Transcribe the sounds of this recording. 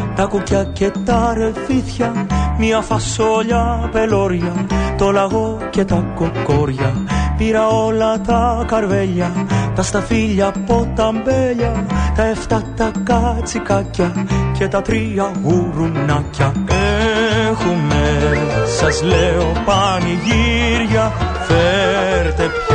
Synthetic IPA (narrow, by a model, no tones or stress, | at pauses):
t̪ɐkucɐcet̪ɐɾe̞viθçɐmiɐfɐso̞ʎɐpelo̞ɾʝɐt̪o̞lɐɣo̞ | cet̪ɐkokːoɾʝɐpiɾɐo̞lɐt̪ɐkɐɾveʎɐt̪ɐst̪ɐfiʎɐpot̪ːɐmbeʎɐt̪ɐeft̪ɐt̪ɐkɐt͡sikacːɐcet̪ɐt̪ɾiɐɣuɾunɐcːɐe | xumesɐzleopɐniʝiɾʝɐ | feɾt̪ep